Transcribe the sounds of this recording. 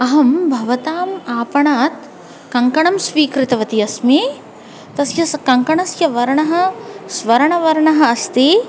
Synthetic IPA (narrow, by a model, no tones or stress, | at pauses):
ɐɦɐmbʱɐʋɐt̪aːmaːpɐɳaːt̪ | kɐŋkɐɳɐmsʋiːkɾɪt̪ɐʋɐt̪iɐsmi | t̪ɐsjɐskɐŋkɐɳɐsjɐʋɐɾɐɳɐɦɐ̆sʋɐɾɐɳɐʋɐɾɐɳɐɦɐ̆ɐst̪i